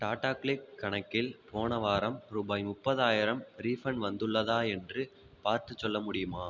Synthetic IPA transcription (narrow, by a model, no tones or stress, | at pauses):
ʈaːʈaːkɭɪkːɐɳɐkːɪlpʰoːɳɐʋaːɾɐmɾuːbaːjmʊpːɐðaːjɪɾɐmɾiːfɐnʋɐnd̪ɯɭːɐðaːɛndrɯ | paːɾt̪ɯt͡ʃːɔlːɐmʊɽɪjɯmaː